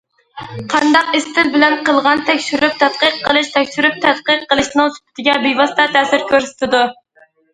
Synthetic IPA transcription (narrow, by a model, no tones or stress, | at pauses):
qʰɑnd̪ɑqɪst̪ʰɪlbɪlɛnqəlˠʁɑnt̪ʰɛkʲʃyɾyp̚t̪ʰɛt̪̚qəqːəlˠɨʃt̪ʰɛkʲʃyɾyp̚t̪ʰɛt̪̚qəqːəlˠɨʃnɨŋsy̥pʰɪ̥t̪ʰɪɡʲɛbejvɑst̪ʰɑt̪ʰɛːsɪɾkʲʰøɾsɪ̥t̪ɪd̪u